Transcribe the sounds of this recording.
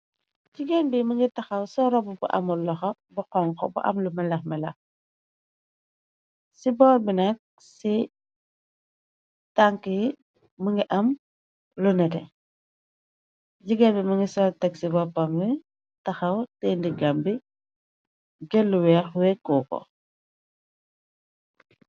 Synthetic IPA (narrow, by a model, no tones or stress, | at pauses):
ɟiɡɛnbimɐŋɡitɐxɐwsɔɾɔbubṵʔɐ̰mulɔxɔ | buqɔŋkɔ̰bṵʔɐ̰mlumɛlɐxmɛlɐx | sibɔːlbinɐk̚ | si | taŋki | muŋɡiʔɐm | lunɛtɛ̰ | ɟiɡɐlbimɐŋɡisɔtɛksibɔpɐmwɛ | tɐxɐwtɛndiɡambi | ɡɛlːuwɛːxwɛkuːkɔ̰